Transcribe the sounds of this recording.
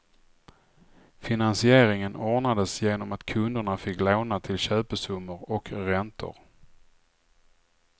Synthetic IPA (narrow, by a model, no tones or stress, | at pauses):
fɪnansɪeːɾɪŋənɔːɳad̪əsjeːnɔmat̪kʰɵnd̪əɳafɪkːloːnat̪ʰɪlɕøːpəʂɵmːəɾɔkɾɛnt̪ʊ̰ɾ